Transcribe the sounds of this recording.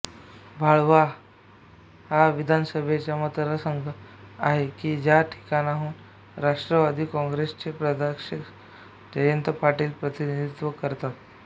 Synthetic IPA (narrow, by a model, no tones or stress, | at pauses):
bʱaɭʋa | ɦaʋid̪ʱansəbʱet͡ɕjamət̪ɾəsəŋɡʱəaɦekiːd͡ʑjaʈʰi̥kanaɦuːn | ɾaʂʈɾəʋad̪ʱiːkɔ̃ŋɡɾest͡ɕepɾəd̪əkʂik | d͡ʑəjənt̪əpaʈiːlpɾət̪inid̪it̪ʋəkəɾt̪at̪